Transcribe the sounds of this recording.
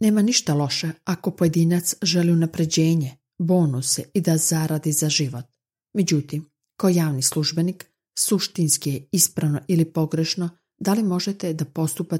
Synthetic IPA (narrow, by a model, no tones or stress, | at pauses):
ne̞ːmaniʃt̪alo̞ʃeako̞poje̞d̪iːnat̪sʒe̞liunapɾe̞d͡ʑe̞ːɲe | bo̞ːnuseid̪az̥aɾad̪izaʒiʋo̞t̪ | me̞d͡ʑut̪im | kaojaːʋnislˠuʒbe̞nik | suʃt̪inskijeispɾaʋno̞ʔilipo̞ɡɾe̞ʃno | d̪alimo̞ʒet̪e̞d̪apo̞st̪upa